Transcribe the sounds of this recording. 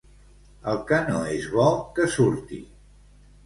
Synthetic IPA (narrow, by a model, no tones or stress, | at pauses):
əlˠkənoezβɔkəsuɾt̪ḭ